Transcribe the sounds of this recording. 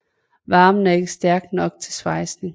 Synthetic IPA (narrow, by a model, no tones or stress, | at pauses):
ʋɑ̈ːmən̩æɐe̝ɡ̥əsd̥æɐɡ̥d̥nɒ̽ɡ̥̚t͡sʰe̝lsʋɑ̈ɪsne̝ŋ